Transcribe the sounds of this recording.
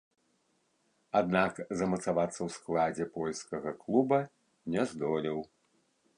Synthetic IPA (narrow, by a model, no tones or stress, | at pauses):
ad̪nakzɐmɐt̪savat̪sːɐwsklˠad͡zʲɛpɔlʲskɐɣɐklˠubɐ | nʲɛzd̪ɔlʲiw